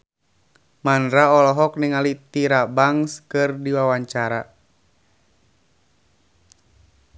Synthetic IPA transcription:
manɾaɔlɔɦɔk̚niŋalit̪iɾabaŋskɨrdiwawaɲt͡ʃaɾa

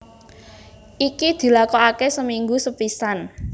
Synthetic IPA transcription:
ʔikid̪̥i̤lakoakesəmiŋɡusəpisan

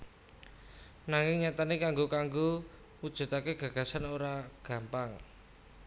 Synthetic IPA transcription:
naŋɪŋɲat̪anekaŋɡokaŋɡo | wud̥ʒ̥ṳt̪akeɡ̥ä̤ɡ̥a̤sanoɾaɡ̥a̤mpaŋ

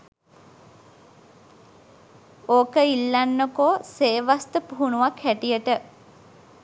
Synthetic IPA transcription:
oːkəilːanːokoːseːʋast̪əpuɦunuʋakʰhæʈijəʈə

